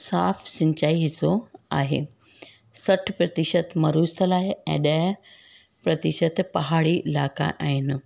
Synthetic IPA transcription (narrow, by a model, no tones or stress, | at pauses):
saːfsɪ̃ɲt͡ɕaːiɦɪsoaːɦḛː | sɐʈʰpɾɐt̪ɪʃət̪mɐɾuːst̪ʰəlaːɪɛ̰̃ːɗɐɦ | pɾɐt̪ɪʃət̪pɐɦaːɽiɪla̰ːka̰ʔaːɦɪnɪ̆